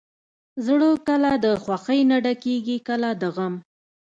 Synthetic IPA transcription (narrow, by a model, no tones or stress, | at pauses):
zɽokəlad̪əxwaxəjnaɖakeɡikəlad̪əɣəm